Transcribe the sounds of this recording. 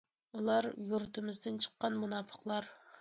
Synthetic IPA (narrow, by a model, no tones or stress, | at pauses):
ulˠɑɾjuɾt̪ʰɨmɨzd̪ɨnt͡ʃʰə̥qːɑnmunɑːpʰə̥qlˠɑɾ